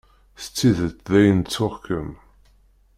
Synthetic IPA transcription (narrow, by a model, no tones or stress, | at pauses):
θt͡sːiðət͡s̪ðæjənt͡sːʊʁkəm